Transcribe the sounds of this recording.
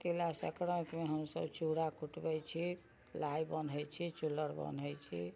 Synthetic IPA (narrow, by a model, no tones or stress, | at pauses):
t̪elasə̰kɾəkmeɦəmsə̰bt͡ʃuɽakʰuʈbɛt͡ʃʰi | lajbənɦəjt͡ʃʰit͡ʃuləɾbə̰nɦəjt͡ʃʰḭ